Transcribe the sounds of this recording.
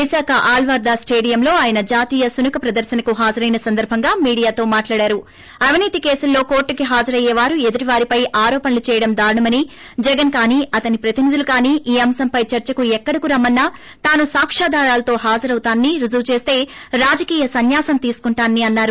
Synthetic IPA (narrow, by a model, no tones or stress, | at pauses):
ʋisaːkɐʔaːlʋaɾd̪aːsʈeːɽijɐmlo̞ːaːjɐnɐd͡ʒaːt̪iːjɐsunukʰɐpɾɐd̪ɐɾʃɐnɐkuɦaːd͡ʒɐɾɐjnɐsɐnd̪ɐɾbʱɐŋɡaːmiːɽijaːt̪o̞ːmaːʈlaːɽaːɾu | ɐʋiniːt̪ikeːsulːo̞ːko̞ːɾʈːukiɦaːd͡ʒɐɾɐjɛːʋaːɾue̞d̪ɐɾiʋaːɾipɐjʔaːɾɔːpɐnɐlut͡ʃɛːjɐɽɐmd̪aːɾɐɳɐmɐni | d͡ʒɛɡɐnkaːniːɐt̪ɐnipɾɐt̪inid̪ulukaːniːʔiːɐmsɐmpɐjt͡ʃɐɾt͡ʃɐkuɛkːɐɽɐkuɾɐmːɐnːɐ | t̪aːnusaːkʂaːd̪aːɾaːlɐt̪o̞ːɦaːd͡ʒɐɾɐwut̪aːnːiɾud͡ʒuʋt͡ʃe̞ːst̪e̞ːɾaːd͡ʒɐkiːjɐsɐnjaːsɐmt̪iːsu̥kuɳʈaːnːiɐnːaːɾu